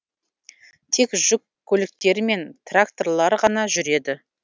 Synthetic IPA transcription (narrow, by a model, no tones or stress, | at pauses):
t̪ʰe̞kʒ̥ʊkʲʰːɵlɪk̚t̪e̞ɾme̞nt̪rakt̪o̞rlˠɑɾʁɑnɑʒʏɾe̞d̪ɪ